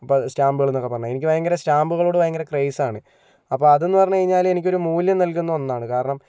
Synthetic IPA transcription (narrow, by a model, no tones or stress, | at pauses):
ɐpːostaːmbuɣɐɭenːokːepːɐrɐɲːɐenikʲːɨʋɐjɐŋɡɐɾestaːmbuɣɐɭoːɽeʋɐjɐŋɡɐɾɐkrejsaːɳɨ | ɐpːoːɐðe̞nːɨpɐrɐɲːukɐɻiɲːaːle̞nikʲːo̞ɾumuːljɐmnɐlkunːɐonːaːɳɨkaːɾɐɳɐm